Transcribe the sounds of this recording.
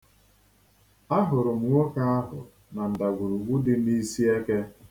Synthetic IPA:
a˦ɦʊ˨ɾʊ˨m̩˨ŋʷo˦ka˦a˦ɦʊ̰˨ | na˨n̩˨da˨ɡʷu˨ɾu˨ɡ͡bu˦dɪ˦n˦i˦si˦e˦ke˦

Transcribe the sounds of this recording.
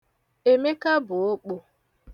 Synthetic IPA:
e˨me˦ka˦bʊ˨o˦k͡po˨

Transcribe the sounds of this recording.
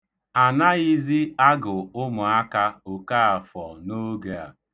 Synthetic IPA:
a˨na˦i˦zi˦a˦ɡʊ˨ʊ˦mʊ˨a˦ka˦o˨ka˦a˨fɔ˨no˦ɡe˨a̰˨

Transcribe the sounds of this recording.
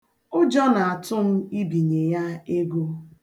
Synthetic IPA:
ʊ˦d͡ʒɔ˦na˨a˨tʊ˦m̩˦i˦bi˨ɲe˨ja˦e˦ɡo˦

